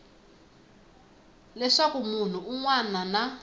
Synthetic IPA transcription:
lɛʂakumun̤uuŋwanana

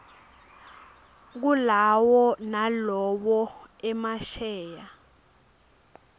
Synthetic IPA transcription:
k̬ulawɔnalɔɓɔɛmaʃɛːja

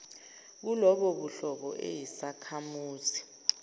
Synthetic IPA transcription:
k̬ulɔɓɔɓuɬɔɓɔ̰ʔḛjisakʰamuːzi

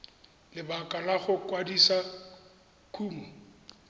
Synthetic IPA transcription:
lɪbakʼalaɣʊkʼwadisa | kʰuːmɔ

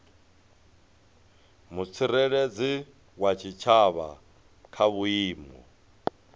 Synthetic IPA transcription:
mut͡sʰiɾeɺed͡zi | wat͡ʃʰit͡ʃʰaβa̰ | kʰaβuiːmɔ̰

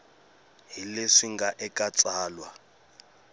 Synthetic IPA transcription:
ɦileʂiŋɡaʔɛkʼat͡sʼaːlwa

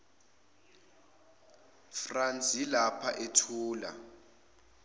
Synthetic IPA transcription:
frant͡sʼjilapʰaʔetʰuːla̰

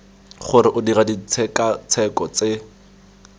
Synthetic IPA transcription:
χʊɾɪʔʊdiradit͡sʰɛkat͡sʰɛkɔt͡se

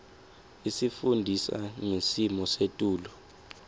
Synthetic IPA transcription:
isifundʱisa̰ŋesimɔsetʼuːlɔ

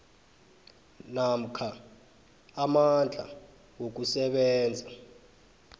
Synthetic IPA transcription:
nam̩kʰaː | mand͡ɮʱa̰ | wok̬usɛɓɛːnd͡zʱa

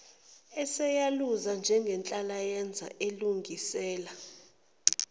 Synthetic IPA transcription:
ɛsɛjaluzand͡ʒʱɛŋɡʱɛnt͡ɬʼalajɛnd͡zʱa̰ʔeluŋɡʱisɛːla

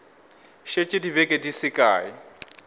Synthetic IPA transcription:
ʃet͡ʃʼɪdibɛkʼedisɪkʼaːjɪ

